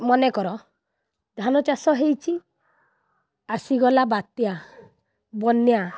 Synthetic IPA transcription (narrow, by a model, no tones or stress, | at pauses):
mɔnekɔɾɔ | d̪ʱanɔt͡ʃasɔɦejt͡ʃʰi | asiɡɔlabat̪ja | bɔnja